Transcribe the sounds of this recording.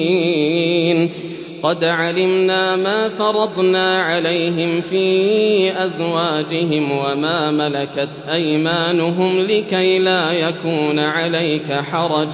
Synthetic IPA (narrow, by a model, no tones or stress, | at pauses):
n | qɑd̪ʕalɪmnaːmaːfɑɾˤɑd̪ˤnaːʕalajɦɪmfiːʔazwaːd͡ʒɪɦɪmwamaːmalakat̪ʔajmaːnʊɦʊmlɪkajlaːjakuːnaʕalajkaħɑɾˤɑd͡ʒ